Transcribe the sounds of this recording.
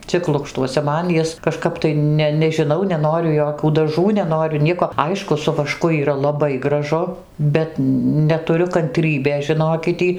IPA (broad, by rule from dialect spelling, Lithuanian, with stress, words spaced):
ˈt͡sʲɪk ˈlˠʊkʃtuɔsʲɛ ˈmɐn ˈjɪs kɐʃˈkɐp tɐɪ ˈnʲɛ nʲɛʒʲɪˈnɐʊ nʲɛˈnoːrʲʊ ˈjoːkʲuː dɐˈʒuː nʲɛˈnoːrʲʊ ˈnʲiɛkoː ˈɐɪʃkʊ sʊ ʋɐˈʃkʊ iːˈrɐ lˠɐˈbɐɪ ɡrɐˈʒʊ ˈbʲɛt nʲɛtʊˈrʲʊ kɐnʲˈtʲrʲiːbʲeːs ʒʲɪˈnoːkʲɪt ˈtʲiː